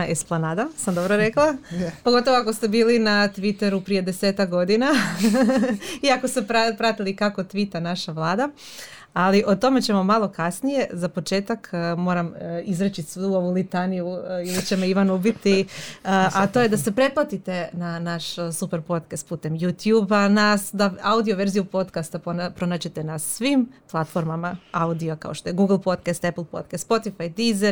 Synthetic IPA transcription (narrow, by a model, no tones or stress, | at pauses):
esplonaːd̪asamd̪o̞bɾoɾe̞klˠapoɡo̞t̪o̞ʋoako̞st̪e̞biːlinat̪ʋit̪e̞ɾupɾije̞d̪eseːt̪akɡo̞d̪ina | iako̞st̪epɾapɾat̪ilikako̞t̪ʋit̪anaʃaʋlˠaːd̪a | aliʔo̞t̪o̞me̞t͡ɕe̞mo̞malo̞kasnije̞zapo̞t͡ʃe̞ːt̪akmo̞ːɾamizɾet͡ɕisuoʋulit̪anijuilit͡ɕe̞meiʋanubit̪iəʔat̪o̞ːjed̪ase̞pɾe̞plˠat̪it̪e̞nanaʃsupe̞ɾpo̞t̪kast̪̚puːt̪e̞mjut̪juːbanasd̪aaud̪io̞ʋe̞ɾzijupo̞t̪kast̪apopɾo̞naːd͡ʑet̪e̞nasʋimplˠat̪fo̞ɾmamaaud̪ioka̰o̞ʃt̪o̞jeɡuɡlˠpo̞t̪̚kast̪epl̩ˠpo̞̰t̪̚kast̪spo̞t̪ifajd̪ize